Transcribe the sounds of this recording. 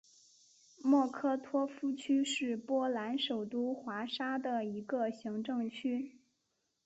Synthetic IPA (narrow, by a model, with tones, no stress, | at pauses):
mwɔ˥˩kʰɤ˥t̪ʰwɔ˥fu˥t͡ɕʰy˥ʂɻ̩˥˩pwɔ˥la˧˥nʂo˨˩ʊt̪u˥xwa˧˥ʂa˥d̪ə˨i˧˥ɡə˧ɕi˧˥ŋʈ͡ʂɤ˥˧ŋt͡ɕʰy˥